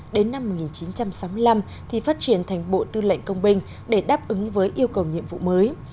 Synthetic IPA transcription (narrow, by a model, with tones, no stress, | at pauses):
ɗe˨˦nːa˧mːo˨˩t̚ŋi˨˩nt͡ɕi˨˦nt͡ɕa˧msa˨˦wmɨ˧əjla˧m | t̪ʰi˨˩faː˦˥t̚t͡ɕi˧˩ənt̪ʰjŋ̟ɓo̰˧˨t̪ɨ˧lə̰˧˨ŋ̟kə˧wŋ͡mɓï˧ŋ̟ | ɗe˧˩ɗaː˦˥p̚ʔɨ˨˦ŋvəː˨˦jʔi˧əwkə˨˩wɲḭ˧˨əmvṵ˧˨məː˨˦j